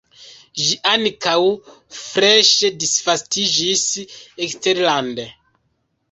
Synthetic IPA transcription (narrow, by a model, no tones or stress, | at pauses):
ʒiʔankaw | fɾeʃedisfastid͡ʒiseksteɾlande